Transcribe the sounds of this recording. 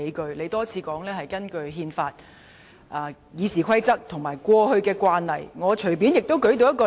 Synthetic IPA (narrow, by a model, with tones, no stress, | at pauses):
e˨˥jkɵ˧ɥle˨˧jt̪ɔː˥t͡sʰiː˨˧kɔː˨˥ŋlɛː˥hɐ˨jkɐ˥nkɵ˧ɥɦiː˧nfaː˧t̚ | ʔaː˨˧ | jiː˨˧siː˨˩kʷʰɐ˥jt͡sɐ˥k̚t̪ʰʊ˨˩ŋmaː˨˩jkʷwɔː˧hɵ˧ɥkɛː˧kwaː˧nːɐ̰˨˩jŋɔː˨˧t͡ʃʰɵ˨˩ɥpiː˨˥njɪ˨k̚t̪o˥wkɵ˨˥ɥt̪̬o˨˧wjɐ˥t̚kɔ˧